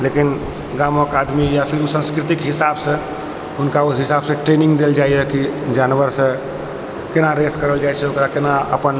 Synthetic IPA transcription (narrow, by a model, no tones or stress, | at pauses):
lekin | ɡamokad̪mijapʰiɾusə̃nskɾit̪ikɦisabsə̃ | ɦunkauɦisabsẽʈɾenĩŋɡd̪eld͡ʒaiɛkid͡ʒanʋəɾsə̃ | kenaɾeskəɾəld͡ʒajt͡ʃʰɛokɾakenaə̰pən